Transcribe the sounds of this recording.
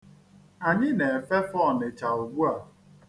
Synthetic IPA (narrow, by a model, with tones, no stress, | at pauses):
a˨ɲɪ˦ne˨fe˦fɔ˦˨ne˨t͡ʃa˨u˨ɡ͡bu˦a˨